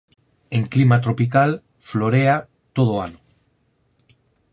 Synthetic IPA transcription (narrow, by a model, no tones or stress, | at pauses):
eŋklimat̪ɾopik̬al | floɾea | t̪oð̞oano